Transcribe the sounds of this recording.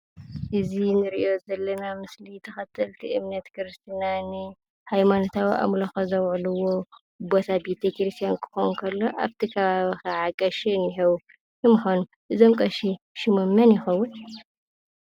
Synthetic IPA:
ʔɨzinɨɾɨʔio̞zɐlːɐnamɨslit̪ʰɐxɐt̪ʰːɐlt̪ʰiʔɨmnɐt̪kɨɾɨst̪ʰinanɨ | hajmanot̪ʰawiʔa̰mloxɐzɐwʕluwo̞ | bo̞t̪ʰabet̪ʰekɾɨst̪ʰʼijankʰɨ̥xonkʰɐlːo̞ʔaβt̪ʰikʰɐβaβixɐʕakʼɐʃinːɨħɐw | jɨmuxon | ʔɨzomkʼɐʃi | ʃɪmɐmːɐnjɪxɐwːʊn

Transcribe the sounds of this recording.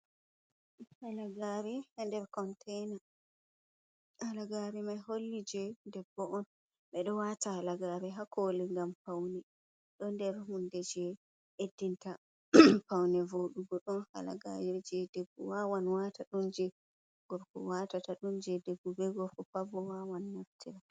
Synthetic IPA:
halaɡaɾɛhandɛɾkɔntʰɛjna | alaɡaɾɛmajholːid͡ʒɛdɛbːɔʔɔn | ɓɛɗɔwatalaɡaːɾɛɦakoːlɛŋɡampawnɛ | ɗɔndɛɾɦundɛd͡ʒɛ | edːinta | pawnɛvoɗuɡɔɗɔnha̰la̰ɡa̰ɾiɾd͡ʒɛdebːṵwawanwataɗund͡ʒɛ | ɡ̥ɔɾkɔ̰watataɗund͡ʒɛdebːubɛɡɔfɔpabɔwawanːaftiɾa

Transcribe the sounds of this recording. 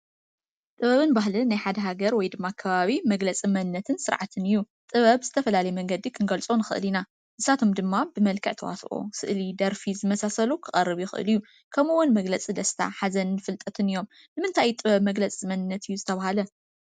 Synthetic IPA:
t̪ʼɨβɐβɨnbaɦlɨnajħad̪ɐɦaɡɐɾwɔjd̪ɨmːakʰɐβaβimɐɡlɐt͡sʼimɐnɨnːɐt̪ʰɨnsɨɾʕat̪ʰɨnɨjːu | t̪ʼɨβɐβzɨt̪ʰɐfɐlalɐjɛmɐŋɡɐd̪ikʰɨnɡɐlt͡sʼonɨxɨ̰ʔɨlina | ʔɨsat̪ʰomd̪ɨmːabɨmɐlkʰɨʕt̪ʰɐwa̰sʔo̰sɨ̰ʔlid̪ɐɾfizɨmɐsasɐlukʰɨχʼɐrːɨβjuxɨ̰ʔɨ̰lɨjːu | kʰɐmuwʊnmɐɡlɐt͡sʼid̪ɐst̪ʰa̰ħazɐnnɨfɨlt̪ʼɐt̪ʰɨnijːo̞m | nɨmɨnt̪ʰajt̪ʼɨβɐβmɐɡlɐt͡sʼmɐnɨnːɐt̪ʰɨjːuzɨt̪ʰɐβahalɐ

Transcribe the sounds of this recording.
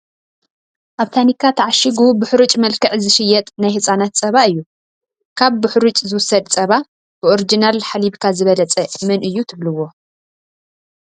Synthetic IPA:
ʔaβt̪ʰanikʰːat̪ʰɐʕaʃiɡubɨħɾut͡ʃʼmɐlkʰɨʕzɨʃɪjːɛt̪ʼnajhɨsʼanat̪̚t͡sʼɐβaɨjːu | kʰaβbʊħɾut͡ʃʼzɨwʊsɐd̪t͡sʼɐβa | b̥ɨʔoɾid͡ʒinalħaliβkʰazɨβɐlɐt͡sʼɐmɨnʔɨjːut̪ʰɨβlɨwːo̞

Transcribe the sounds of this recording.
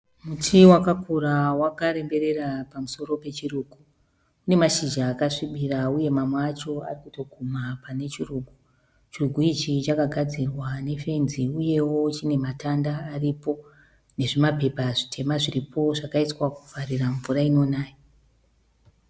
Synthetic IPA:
mutʰiwakakuɾawakaɾe̞mbe̞ɾe̞rapamuso̞ɾo̞pe̞t͡ʃiruːɡu | une̞maʃiʒaːkaʂiɓirauje̞mamweat͡ʃo̞a̰rikuto̞kumapane̞t͡ʃiruːɡʱu | t͡ʃiruɡʱuit͡ʃit͡ʃakaɡʱad͡zirwane̞fe̞nziuje̞wo̞t͡ʃine̞matandaːripo̞ | ne̞ʐimape̞paʐitʰe̞maʐiripʰo̞ʐakaitwakufariraɱvuɾaino̞naːjo

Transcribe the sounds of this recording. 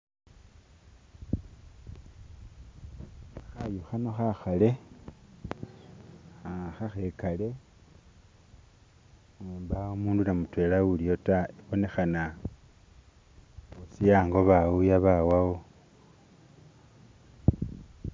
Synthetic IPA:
xajuxanoxaxale̞ | axaxe̞kale̞ | eːmbaomuːndunamutwe̞ːlaɣuliotaeβo̞ne̞xana | usijaːŋɡo̞βaujaβawawo

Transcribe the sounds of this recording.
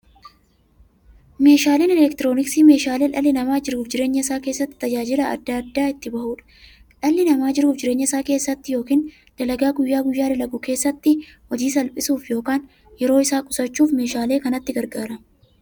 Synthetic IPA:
me̞ːʃaːleːnɛlɛkt̪ɪɾo̞ːnɪksime̞ːʃaːleːᶑɐlːɪnɐmaːd͡ʒɪɾuːfd͡ʒɪɾe̞ːɲːɐɪsaːke̞ːsːɐt̪ːɪ̥t̪ɐd͡ʒaːd͡ʒɪlɐɐ̰d̪ːɐɐd̪ːaːɪt̪ːɪbɐhuːᶑɐ̥ | ᶑɐlːɪnɐmaːd͡ʒɪɾuːfd͡ʒɪɾe̞ːɲːɐɪsaːkeːsːɐt̪ːɪjo̞ːkiːn | d̪̥ɐlɐɡaːɡʊjːaːɡʊjːaːd̪ɐlɐɡʊke̞ːsːɐt̪ːɪhɔd͡ʒiːs̬ɐlpʼɪsuːfjo̞ːkaːn | jɛɾo̞ːɪsaːkʼʊsɐt͡ʃːuːfme̞ːʃaːle̞ːkɐnɐt̪ːɪɡɐɾɡaːɾɐ

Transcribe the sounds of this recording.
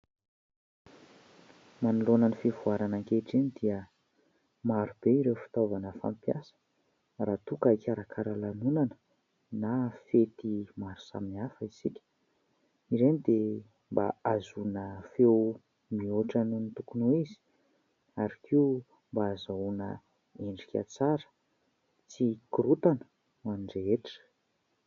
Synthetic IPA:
manulonənifivuaɾanaŋkeʈ͡ʂinid̪iə | maɾub̥eiɾewfi̥t̪ovanəfa̰mpjasə̥ | raːt̪ukakʲaɾakʰaɾalanunanə̥ | nafet̪imaɾu̥sa̰minafəisikʲə̥ | iɾenid̪e | mba̰azunəfew | mioʈ͡ʂanunit̪ukunuizi̥ | aɾakʰiu | mbaːzaunə | eɳɖ͡ʐikʲə̰t͡saɾə̥ | t͡sikuɾut̪anə̥ | uaniɳɖ͡ʐeeʈ͡ʂə̥

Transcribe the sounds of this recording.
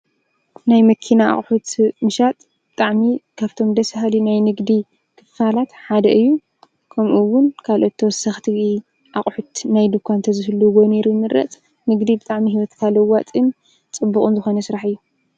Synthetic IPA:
najmɐkʰinaa̰χʼħut̪mɨʃat̪ʼ | bɨ̥t̪ʼaʕmikʰaβt̪ʰo̞md̪ɐsɦalinajnɨɡd̪i | kʰɨfalat̪ħad̪ɐʔɨjːu | kʰɐmʔuwʊnkʰalʔo̞t̪ʰːɐwɔsɐxt̪ʰii | ʔaχʼħut̪najd̪ɨkʰʷant̪ʰɐzɨhɨlːuɡoneɾujmɨɾʔɐ̰t͡sʼ | nɨɡd̪ibɨt̪ʼaʕmiɦiwɔt̪kʰalɐwat͡s̪ʼim | t͡sʼɨbːukʼunzɨxo̞nɐsɨɾaħɨjːu

